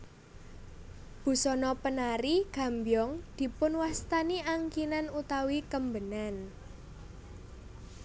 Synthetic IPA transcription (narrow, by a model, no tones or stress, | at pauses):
b̥ṳsɔnɔpənaɾiɡ̥ä̤mbjɔŋd̪̥i̤pʊnwast̪aniaŋkinanut̪awikəmbənan